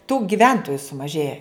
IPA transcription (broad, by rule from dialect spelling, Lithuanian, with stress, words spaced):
tuː ɡʲɪˈʋʲɛntoːjʊ sʊmɐˈʒʲeːjɛ